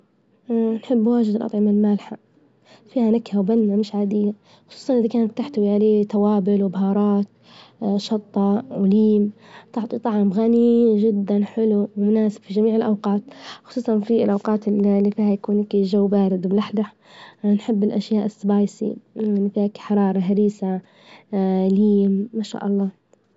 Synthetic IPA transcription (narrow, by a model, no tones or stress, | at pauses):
nħɪbːwaːʒɪd̪ɪlʔɑ̰t̪ˤʕɪmalmalħa | fiːhanɪkhawbanːamɪʃʕaːd̪ɪjːa | xʊ̥sˤuːsˤɑnʔɪðakaːnatt̪ːaħt̪awiʕaleːt̪awaːbɪlwɪbɦɑːɾˤɑːt̪ | ʃɑt̪ˤːɑwɪliːmt̪ˤɑʕt̪ˤit̪ˤɑʕmɣaniʒɪd̪ːanħɪluwɪmʊnaːsɪb̥fiʒamiːʕɪlʔɑwqɑːt̪xʊ̥sˤuːsˤɑnfiɪlʔawqɑːt̪lːifiːhajakuːnakiʒawːbaːɾɪd̪mɪlaħlaħ | nħɪbːɪlʔaʃjaːʔɪsːbɑːjsḭnːfiːakħɑɾˤɑːɾˤɑɦaɾiːsa | liːmːaʃa̰ːʔɑlˤːɑː